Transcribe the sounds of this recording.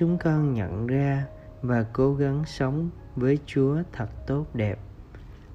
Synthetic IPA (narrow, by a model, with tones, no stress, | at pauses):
ʊ˨˦ŋ͡mkɔ˧nɲə̰˧˨nzaː˧ | vaː˨˩ko˨˦ɣa˨˦ŋsə˨˦wŋ͡m | vəː˨˦jt͡ɕu˨˦ət̪ʰə˨˩t̚t̪o˦˥t̚ɗɛ˨˩p̚